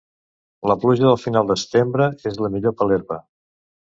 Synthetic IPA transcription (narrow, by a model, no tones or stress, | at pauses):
ləpluʒəðəlˠfinalˠd̪əsə̥t̪embɾəezləmiʎopəleɾβə